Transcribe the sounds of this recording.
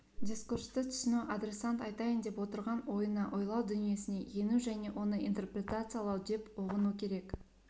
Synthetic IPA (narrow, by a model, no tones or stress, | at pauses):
d̪ʲiskurst̪ət̪ʰʏ̥ʃɪnuʔad̪ɾe̞sant̪ɑjt̪ɑjənd̪e̞pwo̞t̪əɾʁɑnwo̞jənɑʔo̞jlˠɑwd̪ʏnije̞sɪne̞je̞nuʒæne̞ʔo̞nəʔint̪e̞rpɾʲe̞t̪at̪sɨjalˠɑwd̪e̞poʁənukʲʰe̞ɾe̞k